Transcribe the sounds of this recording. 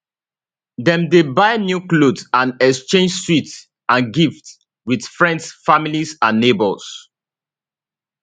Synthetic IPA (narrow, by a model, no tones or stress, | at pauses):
dɛ̃mdebaɪnjuklodãnɛkst͡ʃẽnd͡ʒswit | ãnɡifts | wid̥fɹɛ̃ndsfamilisãnːebɔls